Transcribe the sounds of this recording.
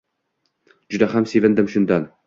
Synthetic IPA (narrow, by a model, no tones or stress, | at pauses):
d͡ʒʊd̪aɦamsevɪnd̪ɪmʃʊnd̪an